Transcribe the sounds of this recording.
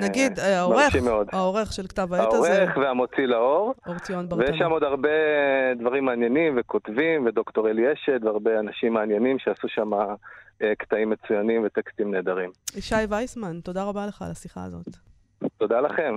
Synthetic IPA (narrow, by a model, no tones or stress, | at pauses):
naɡid̪aomʁeʃimeod̪aoʁeχʃelkt̪avaaoaʁeχveamo̞t͡silao̞ʁoʁt͡sionbaʁvejeʃamod̪aʁbed̪vaʁimːaːnje̞nimvekotvimved̪okt̪oʁelieʃed̪veaʁbe̞anaʃimːaːnjenimʃeasuʃamaekt̪aimːet͡sujanimvet̪ekst̪imne̞ːd̪aʁimiʃajvajsmant̪o̞daʁabaleχa̰lasiχa̰ːzo̞̰t̪ | t̪o̞d̪alaχe̞m